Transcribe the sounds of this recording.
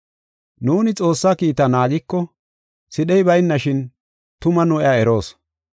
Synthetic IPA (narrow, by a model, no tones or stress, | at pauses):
nuːnɪt͡sʼo̞ːsːaːkiːt̪ɐnaːɡɪkːɔ | sɪɗɛjbɐjɪnːɐʃɪn | t̪ʊmɐnʊʔɪjaːɛɾo̞ːs